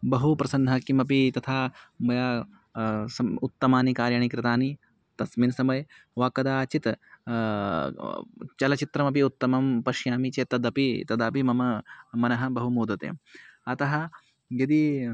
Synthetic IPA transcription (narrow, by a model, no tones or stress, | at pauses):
bɐɦupɾɐsɐnd̪ʱɐkimɐpit̪ɐt̪ʰaːmɐjaː | sɐut̪ːɐmaːnikaːɾjaɳikɾɪt̪aːni | t̪ɐsminsɐmɐjɐ | ʋaːkɐd̪aːt͡ʃit̪ | t͡ʃɐlɐt͡ʃit̪ɾɐmɐpiut̪ːɐmɐmpɐʃjaːmit͡ʃeːt̪ːɐd̪ɐpit̪ɐd̪ɐpimɐmɐmɐnɐɦɐ̆bɐɦumoːd̪ɐt̪ḛːmɐt̪ɐɦɐ | jɐd̪i